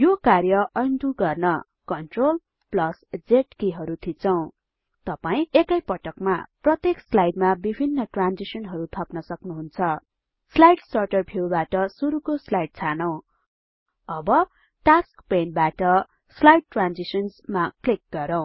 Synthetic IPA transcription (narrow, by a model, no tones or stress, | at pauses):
jokarjʌʌjnt̪uɡʌrnʌ | kʌnʈrol | plʌsd͡zeʈkiɦʌɾut̪ʰit͡sʰʌw̃ | t̪ʌpaĩekʌjpʌʈʌkma̰prʌt̪jekslajɖmabibʱinːʌʈrand͡zisʌnɦʌɾut̪ʰʌpnʌsʌknuɦunt͡sʰʌ | slajɖsʌrʈʌrbʰʱjewbaʈʌsuɾukoslajɖ̚t͡sʰanʌw̃ | ʌbʌ | ʈaskpenbaʈʌ | slajɖ̚ʈrand͡zisʌnsmaklik̚ɡʌɾʌw̃